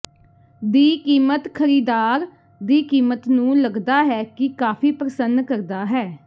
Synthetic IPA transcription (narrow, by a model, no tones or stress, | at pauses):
d̪iːkiːmət̪kʰəɾiːd̪aːɾ | d̪iːkiːmət̪nũːləɡd̪aːɦɛːkɪkaːpʰiːpɾəsənkəɾd̪aːɦɛː